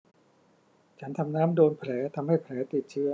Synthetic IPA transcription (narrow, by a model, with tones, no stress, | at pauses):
t͡ɕʰa˦˥nt̪ʰa˧mnaː˦˥mdoː˧npʰɾɛː˩˦t̪ʰa˧mha˥˩jpʰɾɛː˩˦˥t̪i˨˩t̪̚t͡ɕʰɯ˦˥ɐ